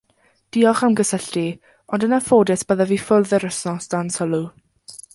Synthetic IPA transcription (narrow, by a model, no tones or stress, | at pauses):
d̥iːɔχawnɡəsəɬti | ɔndənafoːdɪsb̥əðaviːfʊlðəɾəsnɔsd̥ansəlˠu